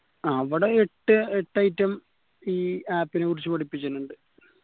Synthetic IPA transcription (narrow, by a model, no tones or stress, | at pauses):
ɐʋiɽeeʈːɨeʈːɐjtːɐm | iːaːpːinekurit͡ɕːɨpɐɽipːit͡ɕːɐnːuɳɖɨ